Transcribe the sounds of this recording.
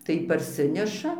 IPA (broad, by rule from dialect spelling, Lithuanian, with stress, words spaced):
tɐɪ pɐrʲˈsʲɪnʲɛʃɐ